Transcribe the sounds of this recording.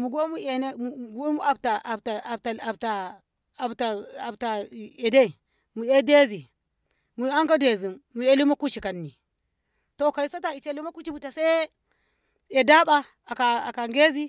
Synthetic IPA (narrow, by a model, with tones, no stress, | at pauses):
mu˨ɡo˦mu˦e˨ne˦mu˨ɡo˦mu˦a˨bta˨ʔta˨ta˨a˨bta˨ | a˨bta˨a˨bta˨e˨de˦˨ | mu˨e˦de˦zi˨ | mu˨a˦ŋka˦de˨zi˨mːu˨e˦li˦ma˦ku˦ʃi˨ka˨nːi˨ | to˦ka˨i˦sa˦ta˨i˨t͡ʃe˦li˦ma˦ku˦t͡ʃi˦bu˨ta˨se˦ | e˨da˦ɓa˦ | a˨ka˨a˨ka˨ŋɡe˦zi˦